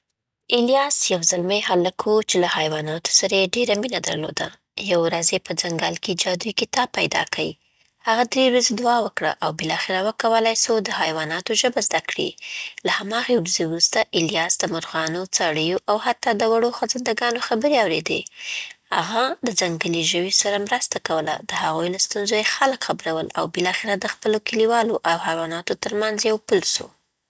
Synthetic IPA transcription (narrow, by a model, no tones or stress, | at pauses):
ɪlijɑsjawzalmajhalakʰut͡ʃelahajwɑnɑt̪o̥saɾajeɖeɾaminad̪a̰ɾlo̰d̪a | jawɾazepəd͡zaŋɡalked͡ʒad̪ujkɪt̪ɑb̚pajd̪ɑ̰kʰawḭ | haɣad̪ɾewɾazed̪uwɑwəkɽa̰ʔawbɪlɑxɪɾawəkawəlajsod̪əhajwɑnɑt̪oʒəbazd̪akɽḭlahamɑɣewɾzewɾust̪aʔɪlijɑsd̪əmaɾɣɑnot͡saɽəjoʔawhat̪ːɑd̪əwaɽoxazɪnd̪aɡɑnoxabəɾeawɾed̪ḛhaɣad̪əd͡zaŋɡəliʒəwisaɾamɾast̪akawəla̰d̪əhaɣujlast̪unzojexaləkxabɾawəla̰wbɪlɑxɪɾad̪əxpəlokiliwɑloʔawhajwɑnɑt̪ot̪əɾmanzjawpulso̰